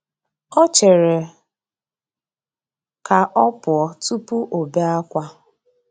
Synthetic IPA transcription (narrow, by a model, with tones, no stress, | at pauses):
ɔ˦t͡ʃe˨ɾe˨ | ka˨ʔɔ˦pʊ˨ɔ˨tu˦pu˦ʔo˨be˦a˦kʷa˦